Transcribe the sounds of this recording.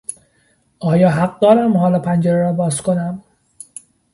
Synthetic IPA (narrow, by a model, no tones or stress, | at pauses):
ɒːjɒːɦæɢ̚d̪ɒːɾæmhɒːlɒpʰænd͡ʒeɾeɾɒːbɒːzkʰonæm